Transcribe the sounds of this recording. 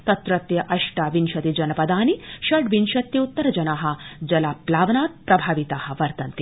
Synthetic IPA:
t̪ɐt̪ɾɐt̪jɐʔɐʃʈaːʋinʃɐt̪id͡ʒɐnɐpɐd̪aːniʃɐɖʋinʃɐt̪jɐut̪ːɐɾɐd͡ʒɐnaːɦɐ̆d͡ʒɐlaːplaːʋɐnaːt̪̚pɾɐbʱaːʋit̪aːɦɐ̆ʋɐɾt̪ɐnt̪i

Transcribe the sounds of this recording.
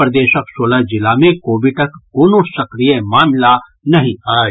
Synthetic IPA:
ɾd̪eːʃəksoːlad͡ʒɪlamẽkoːʋɪʈɐkːoːnosɐkɾijẽmaːmla | nɐɦĩaː

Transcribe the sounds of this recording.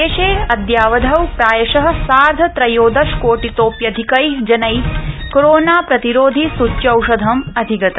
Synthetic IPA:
eːʃeːɐd̪jaːʋɐd̪ʱɐwpɾaːjɐʃɐɦɐ̆saːɾd̪ʱɐt̪ɾɐjoːd̪ɐʃkoːʈit̪oːpjɐd̪ʱikɐjd͡ʒɐnɐjkoɾoːnaːpɾɐt̪iɾoːd̪ʱisut͡ʃːɐwʃɐd̪ʱɐmɐd̪ʱiɡɐt̪ɐ

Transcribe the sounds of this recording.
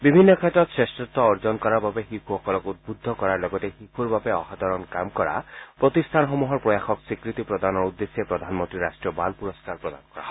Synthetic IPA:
bibʱinːɔkʰɛtɔt̪sɹestɹɔt̪ːɔːɹd͡ʒɔnkɔɾababexikʰuxɔkɔlɔkut̪̚bud̪ʱːɔkɔɹaɹlɔɡɔtexikʰuɹbabeɔɦat̪ɔɹɔnkamkɔɹa̰pɹɔt̪ist̪ʰanxɔmuɦɔɹpɹɔjaxɔksikɹit̪ipɹɔd̪anɔɹud̪ːesiepɹɔd̪ʱanmɔnt̪ɾiɾasʈɹiɔbalpuɹɔskaɹpɹɔd̪a̰nkɔɹa̰ɦɔ

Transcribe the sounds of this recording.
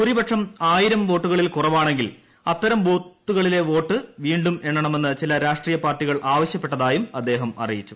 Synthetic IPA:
kuɾibɐʈʂɐmaːjiɾɐmʋo̞ːʈːuɣɐɭilkurɐʋaːɳe̞ŋɡil | ɐt̪ːɐɾɐmʋo̞ːt̪ːuɣɐɭile̞ʋo̞ːʈːɨʋiːɳɖume̞ɳːɐɳɐme̞nːɨt͡ɕilɐɾaːʂʈriːjɐpaːrʈːiɣɐɭʔaːʋɐɕjɐpːe̞ʈːɐðaːjumɐd̪ːe̞ːɦɐmɐ̰rijit͡ɕːu̥

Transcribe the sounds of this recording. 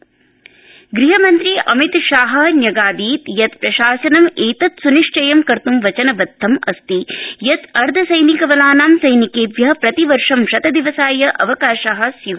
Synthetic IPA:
ɡɾiɦɐmɐnt̪ɾiʔɐmit̪ʃaːɦɐ̆njɐɡaːd̪iːt̪jɐt̪pɾɐʃaːsɐnɐmeːt̪ɐt̪suniʂʈɐjɐmkɐɾt̪umʋɐt͡ʃɐnɐbɐd̪ʱːɐmɐst̪ijɐt̪ɐɾd̪ʱɐsɐjnikɐʋɐlaːnaːmsɐjnikeːʋjɐɦɐpɾɐt̪iʋɐɾʂɐmʃɐt̪ɐd̪iʋɐsaːjɐʔɐʋɐkaːʃaɦɐ̆sjiʋ

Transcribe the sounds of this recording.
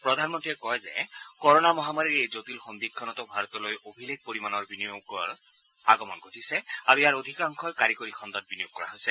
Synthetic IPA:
pɹɔd̪ʱanmɔntiɛkɔjzɛ̰kɔɹɔnamɔɦamaɹiɹejzot̪ilxɔnd̪ikʰːɔnɔtɔbʱaɹɔt̪ɔlojobʱileɡ̚poɹimanɔɹbinijokɔɹ | aɡɔmɔnɡʱotʰisɛaɹuijaɹod̪ʱikaŋkʰɔjkaɹikoɹixʰɔnd̪ɔt̚binijok̚kɔɹa̰ɦojsɛ

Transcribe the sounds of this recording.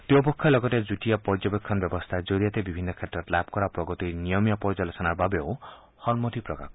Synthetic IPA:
t̪uɔpɔkʰːalɔɡɔt̪ed͡ʒuʈijapɔɾd͡ʒɔbekʰːɔnbjɔbɔst̪ʰad͡ʒɔɾiat̪ebibʱinːɔkʰet̪ɾɔtlab̚ʱkɔɾapɾɔɡɔt̪inijɔmijɔpɔɾd͡ʒɔlesɔnaɾbabeo | hɔlmɔt̪ipɾɔka̰k

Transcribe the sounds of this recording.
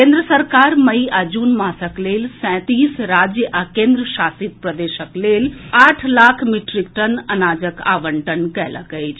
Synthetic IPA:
kẽːnd̪ɾəsɐɾkaːɾmɐiad͡ʒuːnmaːsəkleːlsɛ̃t̪iːsɾaːd͡ʒjəʔakẽːnd̪ɾəʃaːsit̪̚pɾɐd̪eːʃəkleːlaːʈʰlaːkʰmiʈɾik̚ʈɐnɐnaːd͡ʒəka̰ːʋəɳʈənkɛːla̰kɐit͡ʃ

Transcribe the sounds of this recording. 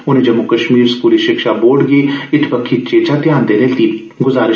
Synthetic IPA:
ʊnẽːd͡ʒɐmːukəʃmiːɾskuːliʃɪkʃaboːɖɡeɪt̪ʰpəkʰːit̪̚t͡ʃeːt͡ʃaːd̪jaːnd̪eːleːlt̪i | ɡʊzaːɾɪ

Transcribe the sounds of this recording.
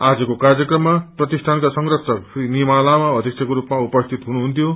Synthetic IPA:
ad͡zʌkokarjʌkrʌmːaprʌt̪isʈʰankasʌŋrʌsʰʌkpinimalamaʌd̪ʱikt͡sʰekoɾupmaupʌst̪ʰit̪ɦunuɦunt̪ʰjo

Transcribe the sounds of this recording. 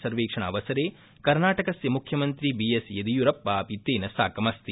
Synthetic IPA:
sɐɾʋeːkʂɐɳ̃ɐ̰ːʋɐsɐɾeː | kɐɾnaːʈɐkɐsjɐmukʰjɐmɐnt̪ɾibiesjɐd̪ijuɾɐpːaːpit̪ːeːnɐsaːkɐmɐst̪i

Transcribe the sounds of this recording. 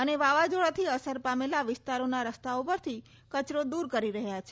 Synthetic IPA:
əneʋaʋad͡ʒoɭat̪ʰiəsəɾpamelaʋɪst̪aɾonaɾəst̪aopəɾt̪ʰi | kət͡ʃɾod̪uɾkəɾiɾəɦjat͡ʃʰe

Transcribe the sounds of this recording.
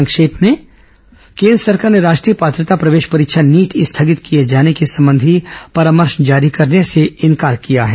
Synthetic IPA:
ə̃ŋkʃeːpmẽ | kẽːnd̪ɾəsɐɾkaːɾneɾaːʃʈɾiːəpaːt̪ɾət̪apɾɐʋeːʃpɐɾɪkʃʰaniːʈɪst̪ʰaɡɪt̪kijed͡ʒaːnekesɐmbə̃nd̪ʱipɐɾaːməɾʃnd͡ʒaːɾikɐɾneseɪ̃nkaːɾkijaɦɛː

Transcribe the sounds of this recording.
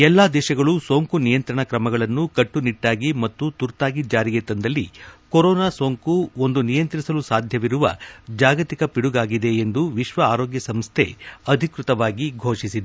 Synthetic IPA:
ɛlːaːd̪ɛːʃɐɡɐɭuso̞ːŋkunijɐnt̪ɾɐɳɐkɾɐmɐɡɐɭɐnːukɐʈːuniʈːaːɡimɐt̪ːut̪uɾt̪aːɡid͡ʒaːɾiɡeːt̪ɐnd̪ɐlːikoɾɔːnaːso̞ːŋkuo̞nd̪unijɐnt̪ɾisɐlusaːd̪ʱjɐʋiɾuʋɐ̰d͡ʒaːɡɐt̪ikɐpiɽuɡaːɡid̪e̞ːnd̪uʋiʃʋɐaːɾoːɡjɐsɐmst̪ʰe̞̰ɐd̪ʱikɾut̪ɐʋaːɡiɡʱoːʂisid̪e

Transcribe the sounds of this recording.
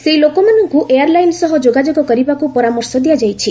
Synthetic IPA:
seilokɔmanɔŋkuʔejaɾlajnsɔɦɔd͡ʒoɡad͡ʒoɡɔkɔɾibakupɔɾamɔɾsɔd̪iad͡ʒajt͡ʃʰi

